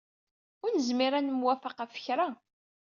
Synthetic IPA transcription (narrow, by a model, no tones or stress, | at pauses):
ʊɾnəzmiɾænəmwæfaqæfə̥çɾa